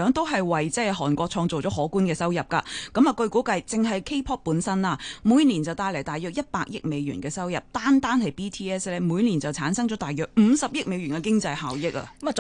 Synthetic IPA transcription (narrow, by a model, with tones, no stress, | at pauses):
œː˨˥ŋt̪o˥wɦɐ˨jwɐ˨˩jt͡sɛː˥ɦɔː˨˩nkʷɔː˧k̚t͡ʃʰɔː˧ŋt͡so˨wt͡sɔː˨˥ɦɔː˨˥kuː˥nkɛː˧sɐ˥wjɐ˨˩p̚ka̰ː˧kɐ˨˧˥mɐː˨˩kɵ˧ɥkuː˨˥kɐ˧jt͡sɪ˨ŋɦɐ˨jkʰe˥pʰɔː˥t̚puː˨˥nsɐ˥nlaː˧muː˨˧jniː˨˩nt͡sɐ˨wt̪aː˧jlɐ˨˩jt̪aː˨jœː˨k̚jɐ˥t̚paː˧k̚jɪ˥k̚me˨˧jɥy̰ː˨˩nkɛː˧sɐ˥wjɐ˨p̚t̪aː˥nt̪aː˥nhɐ˨jpiː˥t̪ʰiː˥ɛː˥slɛː˥muː˨˧˥jniː˨˩nt͡sɐ˨˩wt͡sʰaː˨˥nsɐ˥ŋt͡ʃɔː˨˥t̪aː˨jœː˨k̚m̩ː˨˧sɐ˨p̚jɪ˥k̚me˨˧jɥyː˨˩nkɛ˧kɪ˥ŋt͡sɐ˧jhaː˨˩wjɪ˥k̚ɐ̰˧˨